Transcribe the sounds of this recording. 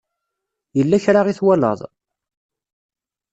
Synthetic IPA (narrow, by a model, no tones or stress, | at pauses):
jəlːæçɾaʁiθwælə̰ðˤ